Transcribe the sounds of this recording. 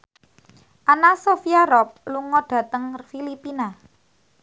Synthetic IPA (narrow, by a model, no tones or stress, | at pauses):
ʔanasofiaɾɔp̚luŋɔɖ̥ä̤t̪əŋfilipina